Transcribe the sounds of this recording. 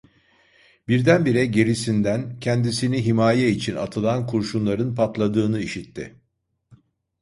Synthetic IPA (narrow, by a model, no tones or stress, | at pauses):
biɾd̪ænbiɾɛɟe̞ɾisind̪æncʰɛnd̪isiniɦimaːjɛit͡ʃʰina̰t̪ʰɯlˠankʰuɾʃunlˠaɾɯnpʰat̪lˠad̪ɯːnɯiʃit̪ʰːɪ̰